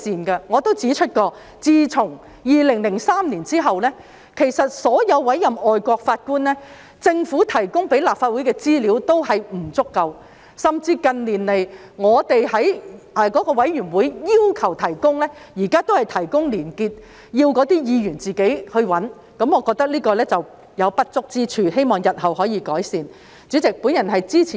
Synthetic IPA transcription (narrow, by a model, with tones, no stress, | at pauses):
siː˨nkɐ˧ŋɔː˨˧t̪o˥wt͡siː˨˥t͡ʃʰɵ˥t̚kɔː˧ | t͡siː˧t͡sʰʊ˨˩ŋ | jiː˨lɪ˨˩ŋlɪ˨˩ŋsaː˥mniː˨˩nt͡siː˥ɦɐ˨wlɛː˥ | kʰe˨˩jsɐ˨t̚sɔː˨˥jɐ˨˧wːɐ˨˥jɐ˨mɔː˨˧jkʷɔː˧k̚faː˧t̚kuː˥nlɛː˥ | t͡sɪ˧ŋfuː˨˥t̪ʰɐ˨˩jkʊ˥ŋpe˨˥jlaː˨pfaː˧t̚wuː˨˥jkɛː˧t͡siː˥liː˨˥wt̪o˥whɐ˨jm̩˨˩t͡sʊ˥kːɐ˧w | sɐ˨mt͡siː˧kɐ˨nliː˨˩nle˨˩j | ŋɔː˨˧t̪e˨jhɐ˨˥j | ɛ˨˧kɔː˨˥kɔː˧wɐ˨˥jjyː˨˩nwuː˨˥jjiː˥wkʰɐ˨˩wt̪ʰɐ˨˩jkʊ˥ŋlɛː˥jiː˨˩kaː˥t̪o˥whɐ˨jt̪ʰɐ˨˩jkʊ˥ŋliː˨˩nkiː˧t̚ | jiː˧wkɔː˨˥t̪iː˥jiː˨˧jyː˨˩nt͡siː˨ke˨˥jhɵ˧ɥwɐ˨˥n | kɐ˨˧˥mŋɔː˨˧kɔː˧k̚t̪ɐ˥k̚liː˥kɔː˧lɛː˥t͡sɐ˨w | jɐ˨˧wpɐ˥t̚t͡sʊ˥k̚t͡siː˥t͡ʃʰyː˧he˥jmɔː˨˩ŋjɐ˨t̚hɐ˨whɔː˨˥jiː˧kɔː˨˥jsiː˨n | t͡si˨˥t͡sɪ˨k̚pu˨˥njɐ˨˩nɦɐ˨jt͡siː˥t͡sʰi˨